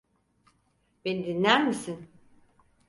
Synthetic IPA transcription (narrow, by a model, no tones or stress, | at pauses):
benid̪inlʲæɾmisin